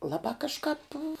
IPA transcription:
ˈlˠɑːbɑː kɐʃˈkɑːp

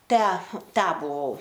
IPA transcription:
ˈtʲæː ˈtʲæː bʊˈʋɐʊ

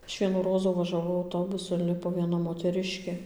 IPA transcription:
ˈɐʃ ˈʋʲiɛnuː ˈroːzuː ʋɐʒɐˈʋɐʊ ɐʊˈtoːbʊsʊ ɪnʲˈlʲɪpoː ʋʲiɛˈnɐ moːtʲɛˈrʲɪʃʲkʲeː

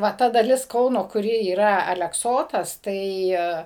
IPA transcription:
ˈʋɐ ˈtɐ dɐˈlʲɪs ˈkɐʊnoː kʊˈrʲɪ iːˈrɐ ɐlʲɛkˈsoːtɐs ˈtɐɪ

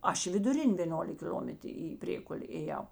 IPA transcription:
ˈɐʃ ɪ ʋʲɪdʊˈrʲɪnʲ ʋʲeːˈnoːlʲɪk kʲɪlʲoːmʲɛt iː ˈpʲrʲeːkʊlʲeː eːˈjɛʊ

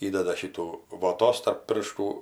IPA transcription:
ˈiːdʲɛdɐ ˈʃʲiːtuː ʋoːˈtoːs tɐrp ˈpʲɪrʃtuː

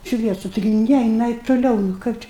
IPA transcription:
ˈʃʲʋʲiɛsʊ ˈtʲɪɡʲɪ ˈnʲɛ jɪˈnɐɪ tʊˈlʲɛʊ nʊ ˈkɐɪp t͡ʃʲɛ

